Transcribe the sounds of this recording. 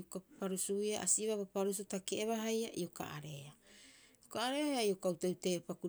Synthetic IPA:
okapaɾusuiaʔa̰siβaβapaɾus̬utakeeβaɦajaʔioka̰ʔaɾeaiokaːɾeaio̞kawtawtejopaku

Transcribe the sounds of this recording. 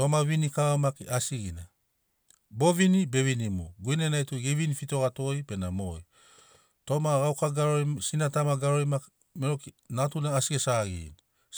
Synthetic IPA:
tomaβinikaamakiʔasiɡina | bo̞vinibe̞βinimuɡuinenajtuɡivinifito̞ɣatojpe̞namo̰j | to̞maɣawkaɡaɾojsinatamaɡaɾojmak | meɾokinatunaːsiɡesaɡḭni

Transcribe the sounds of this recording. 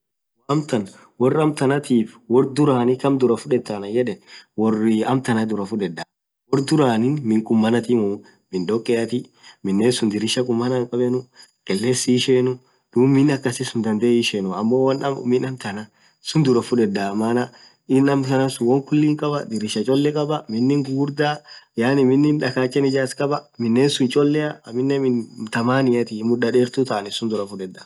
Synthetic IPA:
wɐmt̪ɐn | wɔrːɐmt̪ɐnɐt̪iːfwɔrd̪ʊɾaːnɪkɐmd̪ʊɾɐfʊᶑɛt̪ːɐnɐjɛᶑɛnwɔrɪɐmt̪ɐnɐd̪ʊɾɐfʊᶑɛd̪ːɐ | wɔrd̪ʊɾaːnɪnmɪŋkʼʊmːɐnɐt̪ɪmʊ | mɪnd̪ɔkʼːɛʔɐt̪ɪ | mɪnːeːsʊnd̪ɪɾɪʃɐkʼʊmːɐnɐŋkʼɐbɛnʊkʼɛlːeːsːɪʃeːnʊ | d̪̥uːmɪnɐkːɐsɪsʊnd̪ɐnd̪eːɪʃeːnʊɐmːowɐnɐm̰mɪnɐmt̪ɐnɐ | sʊnd̪ʊɾɐfʊᶑɛd̪amaːnɐ | ɪnɐmtɐnɐsʊwɔŋkʊlːiːŋkʼɐbɐd̪ɪɾɪʃɐt͡ʃʼɔlːɛkʼɐbɐmɪnːɪŋɡuːɾd̪aːjaːnɪmɪnːɪnᶑɐkaːt͡ʃʼːɛnɪd͡ʒaːskʼɐbɐmɪnːeːnsʊnt͡ʃʼɔlːɛɐmɪnːɛmɪnt̪ɐmaːnɪjɐt̪ɪmʊᶑɐᶑeːɾt̪ʊt̪aːnɪsʊnd̪ʊɾɐfʊᶑɛd̪ːɐ

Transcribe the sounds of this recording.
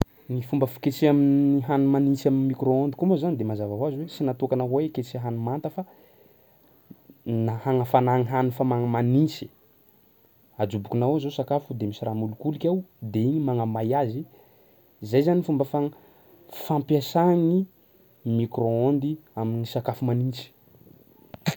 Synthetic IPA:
nifumbəfi̥ket͡siaminiɦanumanisaminmikɾoond̪ikomozanid̪emazavaɦwazwesinat̪ukanaɦoeket͡siɦanumant̪əfa | nahaŋəfanaŋiɦanufamaŋəmanisi̥ | ad͡ʒubukunawazosakafud̪emisiɾamulukulikʲawd̪eiɲimaŋamajazi | zajzanːifumbəfa | fampjasaŋi | mikroond̪iaminisakafumanint͡si̥

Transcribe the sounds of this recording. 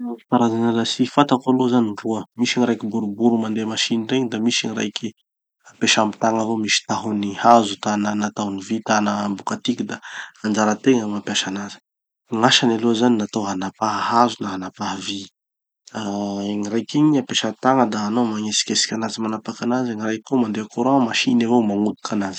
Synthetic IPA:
faɾazanalasifat̪akoalozaniruəmiʃiɲiɾajkibuɾubuɾumand̪emaʃinreɲid̪amiʃiɲiɾa̰jki | apeʃami̥t̪aŋavomisi̥t̪aɦunihazut̪ananat̪awnivit̪anəmbukat̪ikid̪aand͡ʒaɾət̪eŋəmapjaʃanazə̥ | ŋaʃanalozaninat̪oanapaɦɦazunaɦanapaɦəvi | aeŋirajkiɲiapeʃat̪aŋəd̪aːnomaŋesi̥kʲesi̥kʲanazimanapakanazeŋirajkomand̪eakoɾoamaʃinavowmaŋud̪u̥kanazi̥

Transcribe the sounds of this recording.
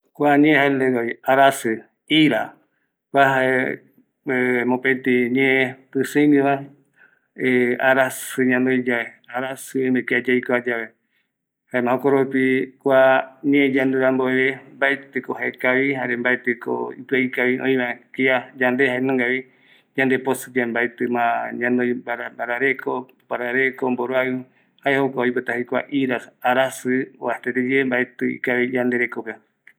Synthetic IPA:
kʷaɲẽhaend̪eɡoiaɾasɨ | iɾa | kʷaɦae | emõpet̪iɲẽt̪ɨsɨ̃jnĩβae | ea̰ɾasɨɲãnd̪ɨjd͡ʒae | aɾasɨemɨkiad͡ʒaikoad͡ʒaβe | haemãõkoɾopikʷaɲẽd͡ʒand̪uɾamboeβembaet̪ɨkohaekaβihaɾembaet̪ɨko̰ipɨaikaβiʔõĩβakiad͡ʒand̪ehaenõŋɡaβi | d͡ʒãnd̪eposɨd͡ʒambaet̪ɨmãɲãnd̪ojbaɾabaɾaɾekʰo | paɾaɾekomboɾoaɨ | haehokʷaoipɨt̪ahikʷa̰ʔiɾasaɾasɨoat̪eɾed͡ʒembaet̪ɨḭkaβid͡ʒand̪eɾekope

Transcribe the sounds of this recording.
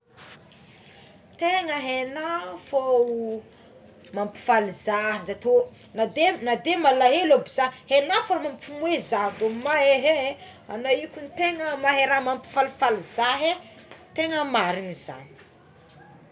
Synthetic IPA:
t̪eŋəɦenafo | mampi̥falizazat̪o | nad̪enad̪emalaɦelobiz̥ahenafaɾamampumwezad̪omaeɦe | a̰naikʲunit̪eŋəmaɦeɾamampi̥falfalizaɦe | t̪eŋəmaɾiŋiza̰ni̥

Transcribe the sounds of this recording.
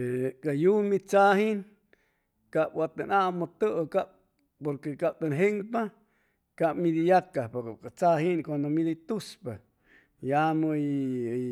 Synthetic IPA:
ekajumit͡sahin | kap̚wat̪anamot̪əkap̚ | poɾkekap̚t̪anɦeŋpa | kapmid̪ijakːapakkat͡saɦinkwand̪omid̪it̪uspa | jamoi

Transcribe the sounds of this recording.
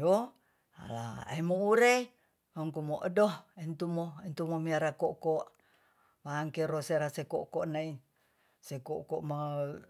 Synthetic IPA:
jo | a̰la̰a̰imouɾe | əŋkumoʔədohent̪umoent̪umomiaɾakokoʔ | βaːŋkeɾoseɾaseko̰ʔkoʔnai | sekokoʔma

